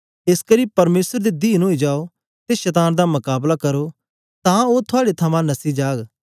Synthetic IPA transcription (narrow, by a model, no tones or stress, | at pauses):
ɪskəɾiːpɐɾmeːsəɾd̪eːd̪iːnɦoːid͡ʒaːo | t̪eʃɛt̪aːnd̪amʊkaːblakɐɾo | t̪ãːoːt̪ʰʊaːɽet̪ʰɐmãnɐsiːd͡ʒaːɡ